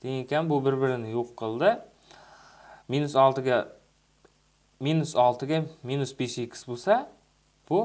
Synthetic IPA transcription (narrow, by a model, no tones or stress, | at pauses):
d̪̥eŋekʲʰanbʊbɪɾbɪɾɪnɪjoqʰːɨlˠd̪ɪ | minʊsɒlˠt̪ɪɡʲa | minʊsɒlˠt̪ʰɪɡʲaminʊsbeʃekʲʰːɪ̥sbosa | b̥ʊ